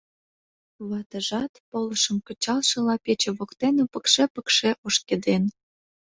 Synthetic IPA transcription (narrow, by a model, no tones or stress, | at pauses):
βɑt̪ə̆ʒɑt̪polə̆ʃə̆mkə̆t͡ɕɑlʃɤ̆lɑpet͡ɕĕβokt̪enupə̆kʃepə̆kʃeʔoʃked̪en